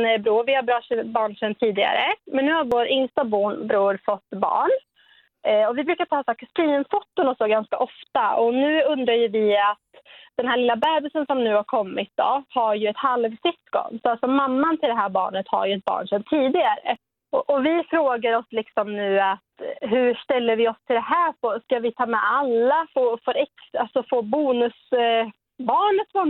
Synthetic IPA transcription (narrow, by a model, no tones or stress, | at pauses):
bɾuːɾvɪhabɾɑʂbɑːɳʂɛnt̪ʰiːd̪ɪɡa̰ɾə̰mɛnːʉ̟ːhaɾvoːɾɪŋst̪abuːbɾuːɾfɔt̪ːbɑ̰ːɳ | ɔvɪbɾʉ̟ːkat̪ʰɑːsɑːkːaspiːnfʊt̪ːʊnɔsd̪ɔɡanskaʔɔft̪aɔnʉ̟ːɵnd̪ɾajɵvɪat̪d̪̥ɛnɦæːɭɪlːabæːbəlsənsɔmnʉ̟ːhaɾkʰɔmːɪt̪̚d̪ɔ̰haɾjɵɛt̪halvsʏskɔ̰nsɔalsɔmamːant̪ʰɪld̪ɛɦæːɾbɑ̰ːɳət̪ha̰ɾjɵɛt̪̚bɑ̰ːɳʂɛnt̪ʰiːd̪ɪɡaɾə̰ | ɔʔɔvɪfɾoːɡaɾɔslɪksɔmnʉ̟ːat̪ɦɵʂʈ̪ɛlːəɾvɪɔst̪ʰɪld̪ɛɦæːpʰɔskavɪt̪ʰɑːmɛ̰alːafofœɾɛksalsɔfoːbuːnɵs | bɑːɳət̪fɔn